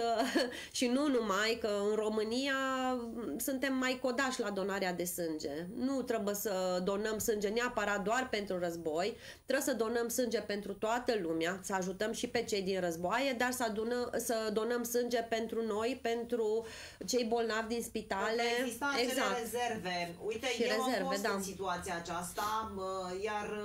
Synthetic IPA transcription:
ə | ʃinunumajkəɨnro̞mɨnija | sunt̪e̞mːajko̞d̪aʃʲlad̪o̞naɾead̪e̞sɨnd͡ʒe̞̰nut̪ɾebujesəd̪o̞nəmsɨnd͡ʒe̞neapəɾat̪̚d̪oarpe̞nt̪ɾurəzbo̞j | t̪ɾebsəd̪o̞nəmsɨnd͡ʒe̞pe̞nt̪ɾut̪oat̪əlumeasəaʒut̪əmʃipe̞t͡ʃe̞jd̪inrəzboaje̞d̪arsd̪unəsəd̪o̞nəmsɨnd͡ʒe̞pe̞nt̪ɾuno̞jpe̞nt̪ɾu | t͡ʃe̞jbo̞lnavʲd̪inspit̪aleist̪aeɡzakɾezerveujt̪eʃiɾeze̞rved̪asit̪uat̪siaːt͡ʃast̪ajar

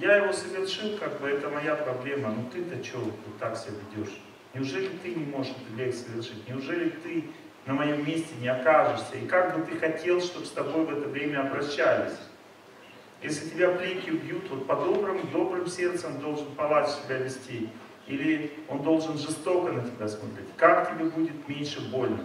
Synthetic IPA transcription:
jajɪvo̞səvʲɪrʂɨlˠkaɡ̚bɨɛt̪əmɐjapɾɐblʲe̞mənut̪ɨt̪ət͡ɕovt̪vot̪ːaksʲɪevʲɪdʲo̞ʂ | nʲɪʊʐɛlʲɪt̪ɨnʲɪmo̞ʐɨʂɛt̪ɨblʲekʲsəvʲɪrʂɨtʲnʲɪʊʐɛlʲɪt̪ɨ | nəmɐjo̞mːʲesʲtʲɪnʲɪɐkaʐɨʂsʲəikaɡ̚bɨt̪ɨxɐtʲʰe̞lˠʂt̪o̞bst̪ɐbo̞jvɛt̪əvɾʲemʲəɐbɾɐɕːalʲɪ̰sʲ | jesʲlʲɪtʲɪbʲaplʲekʲɪʊbʲjut̪vo̞t̪̚pɐd̪o̞bɾɨmd̪o̞bɾɨmsʲe̞rt̪sənd̪o̞lˠʐɨnpɐlˠat͡ɕsʲɪbʲavʲɪsʲtʲe | ilʲɪo̞nd̪o̞lˠʐɨnʐɨst̪o̞kənətʲɪbʲasmot̪ɾʲḛtʲkaktʲɪbʲebudʲɪt̪mʲenʲʂɨbo̞lʲnɨ̰x

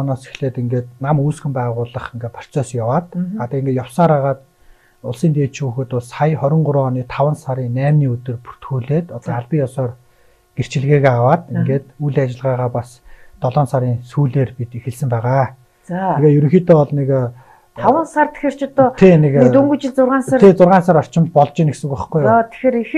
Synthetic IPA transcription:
naːse̥xɮeːt̪iŋɡeːt̪namuːsɡɘ̆mpæːʁʊːɮə̆χiŋɡeːt̪pʰḁr̥t͡sœːsjawaːt̪at̪aːiŋɡeːt̪jawsaːɾaːʁaːt̪ | ʊɮsiːnt̪eːtt͡ɕuːxɘ̆t̪ʊɮsajχɔɾʲɪ̆ɴɢʊɾɔːniːt̪ʰawə̆nsaɾiːnæːmniːɵt̪ɵ̆rpu̥r̥t̪xuːɮeːt̪ɔt̪ɔaɮpiːjɔsɔːr | ɡ̥er̥t͡ɕɪ̆ɮɣeːɣeawaːt̪iŋɡeːt̪ujɮat͡ɕɪ̆ɮʁaːʁaːpas | t̪ɔɮɔːnsaɾiːŋsuːɮeːrpit̪exɘ̆sɘ̆mpæːʁaː | t͡saeɣeːjɵɾɵ̆ŋxiːt̪ʰeːɔɮnek̪ʰ | awə̆nsart̪ʰe̥xer̥t͡ɕʰɔt̪ɔːt̪ʰenek̪et̪uŋɡŭt͡ɕɪ̆ɮt͡sʊrʁaːnsaːt̪ʰet͡sʊrʁaːnsaːɾɔr̥t͡ɕɪ̆mt̪̚pɔɮt͡ɕɪ̆ːneksɘ̆kuχɡujɔt̪ʰe̥xeːɾix

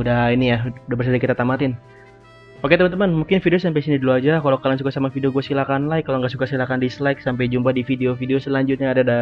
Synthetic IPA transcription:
udainijaudabərsədakit̪at̪amat̪ɪn | pakɛt̪əmənt̪əmanmuŋkɪnfideosampajsiniduluad͡ʒakalowkalans̬ukasamafideoɡuasilakanlaɪkːaloŋɡaʔsukasilakandisəlajksampajd͡ʒumpadifideofideosəlaɲd͡ʒʊt̪̚ɲaːdada

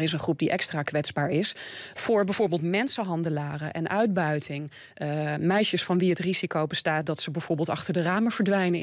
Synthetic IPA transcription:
ɪsənχrup̚diʔɛkstraːkʋɛtzbaːɹɪsfʊːɹbɛjvʊːɹbeːlˠtmɛnsəɦɑndəlaːrəʔɛnʔœɥd̚bœɥtʰɪŋ | mɛjʃəsfɑnʋiɦətrizikowbəstaːt̚dɑtsəbɛv̥ʊːɹbɪːlˠtɑχtəɹdəraːməv̥əɹdʋɛjnə

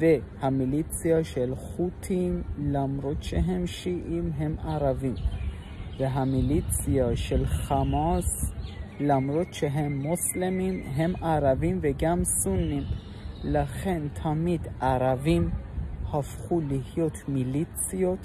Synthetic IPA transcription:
ve | hamilit͡sijaʃelχutʰimlamɾot̪ʃeɦemʃiʔimɦemʔaɾavim | veɦamilit͡siaʃelχamaslamɾot̪ʃeɦemːoslemimɦemaɾavimveɡamsunːim | laχe̞nt̪ʰamid̪ʔaɾavimhafχulihjo̞t̪milit͡sijo̞t̪

